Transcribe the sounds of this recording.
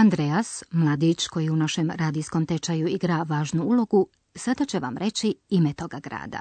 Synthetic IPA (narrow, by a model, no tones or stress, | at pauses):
and̪ɾeasmlˠaːd̪it͡ʃko̞jiunaʃemɾaːd̪iːsko̞mt̪e̞t͡ʃajuiɡɾaʋaːʒnuulˠo̞ɡu | sad̪at͡ɕe̞ʋa̰mɾe̞t͡ɕiimet̪o̞ɡaɡɾa̰ːd̪a̰